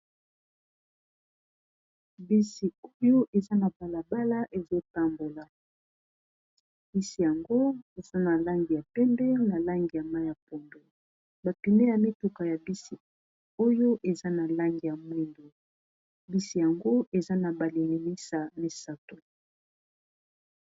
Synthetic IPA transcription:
bi˦si˨o˦jo˦ʔe˨za˦na˨ba˨la˨ba˦la˦ʔe˨zo˦ta˦mbo˨la˨ | bi˦si˨ja˨ŋɡo˦e˨za˦na˨la˦ŋɡi˨ja˨pɛ˦ndɛ˦na˨la˦ŋɡi˨ja˨ma˦ja˨po˨ndo˨ | ba˨pi˨me˦ja˨mi˦tu˨ka˨ja˨bi˦si˨ | o˦jo˦ʔe˨za˦na˨la˦ŋɡi˨ja˨mwi˦ndo˨ | bi˦si˨ja˨ŋɡo˦e˨za˦na˨ba˨li˨ni˨li˦sa˨mi˦sa˦to˨

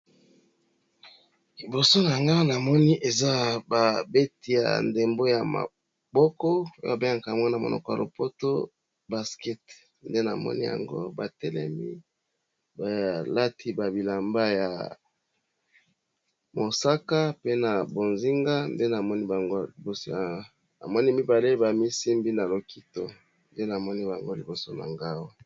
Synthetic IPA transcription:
i˨bo˨so˦na˨ŋɡa˦na˨mɔ˦ni˦ʔe˨za˦ba˨be˦ti˨ja̰˨nde˨mbo˦ja˨ma̰˨ | bɔ˦kɔ˦o˦o̰˦˨a˨be˦a˨ŋka˨mwa˦na˨mo̰˨nɔ̰˨kɔ˨ja̰˨lo˨po˦to˦ | ba˨skɛ˦t | nde˦na̰˨mɔ̰˦nḭ˦ja̰˨ŋɡo̰˦ba˨tɛ˦lɛ̰˦mi˦ | ba˨la˦tʰi˦ba˨bi˨la˨mba˦ja̰˨ | mo˨sa˦ka˦pe˦na˨bo˨nzi˦ŋɡa˦nde˦na˨mɔ˦ni˦ba˨ŋɡo˦i˨bo˨s | a̰˨mɔ˦ni˦mi˦ba˨le˦ba˨mi˦si˦mbi˦na˨lo˨ki˦to˦ | nde˦na˨mɔ˦ni˦ba˨ŋɡo˦li˨bo˨so˦na̰˨ŋɡa˦wo˦

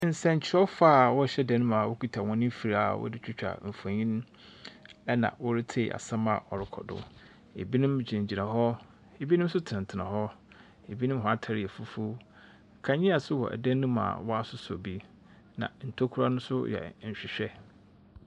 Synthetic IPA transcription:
n̩˨sɛ̃˦˨ɲ˨t͡ɕʰɪ˨˦ɔ˦faː˦˨wɔ˦ɕɛ˦dɛ̃˨nːʊ̃˦ma˨wʊ˦kʰu˨tʰa˨wɔ̃˦nɪ̃˦m˦fi˨ɾa˦˨wʔɔ̰˦dɪ˦t͡ɕᶣɪ˦t͡ɕᶣa̰˨m̩˨fã˨ɲĩ˦n˦ | nã̰˨wɔ˦ɾɪ˦tʰḛ˨ʔa̰˨sã˦ma˨ʔɔ˨ɾɪ˨kʰɔ̰˨dʊ̰˦ | e˨bi˦nʊ̃˦m˦d͡ʑĩ˨d͡ʑi˨nã˨ɦɔ˦ | e˨bi˦nʊ̃˦m˦sʊ˦tʰɪ̃˨n˨tʰɪ˨nã˨ɦɔ˦ | e˨bi˦nʊ̃˦mɦɔ˦a˦˨tʰa˨ɾɪ˨ɛ˨fu˦fu˦˨ | kʰã˨ɲɪ̃˦a˨sʊ˦hɔ̰˨ʔæ̰˨dɛ̃˦nːũ˦ma̰˨wɔ˦a˦sʊ˦sɔ̰˨bi˦ | nã̰˨n̩˨tʰo˦kʰu˦ɾa˦nʊ̃˦sʊ˦jɛ̰˨ɲ̩˨ɕᶣɪ˨ɕᶣɛ˦

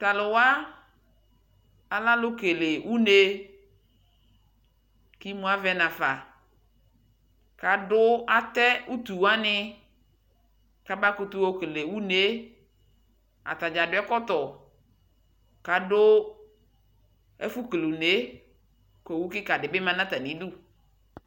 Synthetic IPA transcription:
t̪a˨lʊ˨wa˦ | a˨la˦lʊ˦ke˨le˨wʔu˦ne˦ | ki˦mũ˦a˦vɛ˦nã˨fa˨ | ka˨dʊ˦a˨t̪ɛ˦u˦t̪u˨wa˦nɪ˦ | ka˨ba˦kʊ˦t̪u˦wo˦ke˨le˨wu˦ne˨˦ | a̰˨t̪a˨d͡ʒa˨dʊ˦ɛ˦kɔ˦t̪ɔ˨ | ka˨dʊ˦ | ɛ̰˦fu˦klu˨ne˦ | ke˨wu˦kɪ˦ka˨dɪ˨bɪ˦mã˦nã˦t̪a˨nĩ˨˦du˦

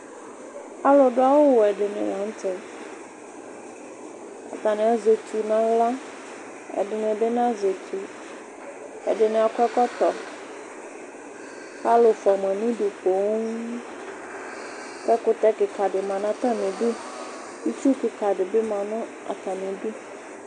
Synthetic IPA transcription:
a˦lo˨ɖʊ˦a˨wo˦wɛ˨ɖɪ˨nɪ̰̃˨lã˨˦n˦t̪ɛ˨ | a̰˨t̪a˨nɪ̃˨a˨ze˨t̪ʰu˨nã˦la˦ | ɛ̰˨ɖɪ˨nɪ̃˨bɪ˦nã˦ze˨t̪ʰu˨ | ɛ̰˨ɖɪ˨nɪ̃˨a˨kʷɛ˦kɛ˦t̪ɔ˨ | pa˦lo˨fa˨mã˨nĩ˦ɖu˨k͡po˨˦ŋ | pɛ˦kʊ˦t̪ɛ˦kɪ˨ka˨ɖɪ˨mã˨nã˦t̪a˦mɪ̃˨bu˦ | u˦t͡ʃu˦kɪ˨ka˨ɖɪ˨bɪ˦mã˨nʊ̃˦ | a̰˨t̪a˨nɪ̃˨bu˦

